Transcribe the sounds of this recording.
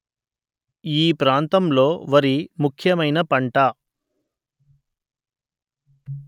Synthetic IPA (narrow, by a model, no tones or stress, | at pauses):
iːpɾaːnt̪ɐmlo̞ːʋɐɾimukʰjɐmɐjnɐpɐɳʈɐ